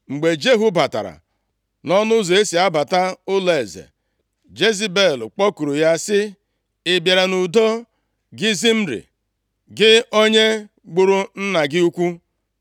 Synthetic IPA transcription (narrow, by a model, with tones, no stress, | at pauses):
ŋ͡m̩˨ɡ͡be˨d͡ʒe˦ɦu˦ba˨ta̰˨ɾa̰˨ | nɔ˦nʊ˦zo˨e˦si˨a˦ba˨ta˦ʊ˦le˨zḛ˨ | d͡ʒe˦zi˦be˦˨lk͡pɔ˦ku˨ɾu˨ja˦sɪ˦ | ɪ˨bja˨ɾa˨nu˨do˦ | ɡɪ˦zi˦m̩˦ɾḭ˨ | ɡɪ˦o˦ɲe˦ | ɡ͡bʊ˨ɾʊ˦n̩˦na˨ɡɪ˦u˦kʷu˦